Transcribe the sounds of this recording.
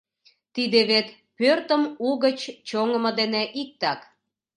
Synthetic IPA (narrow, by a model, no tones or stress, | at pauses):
t̪id̪eβet̪ | pørt̪əmuɣət͡ɕt͡ɕoŋə̆məd̪eneʔik̚t̪ɑk